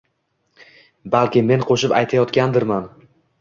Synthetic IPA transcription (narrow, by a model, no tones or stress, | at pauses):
balkʲɪme̞nqʰoʃɪpajt̪ʰajɒt̪kʲand̪ɪɾman